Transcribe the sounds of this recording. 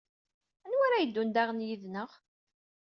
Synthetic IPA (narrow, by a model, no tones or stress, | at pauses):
ænwaɾajəd̪ːund̪aʁnjiðnəʁ